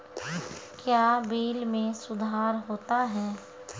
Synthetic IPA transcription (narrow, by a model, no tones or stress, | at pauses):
kjaːbeːlmẽsʊd̪ʱaːɾɦoːt̪aɦɛː